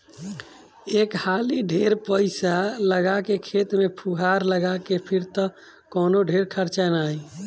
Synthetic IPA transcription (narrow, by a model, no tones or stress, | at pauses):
ekhaliɖʱeɾpəɪsaləɡakekʰet̪mepʰuɦaɾləɡakepʰiɾt̪ə | kɔnoɖʱeɾkʰəɾt͡ʃanaj